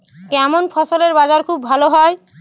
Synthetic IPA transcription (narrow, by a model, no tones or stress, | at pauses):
kɛmonpʰɔsoleɾbad͡ʒaɾkʰubːʱaloɦɔe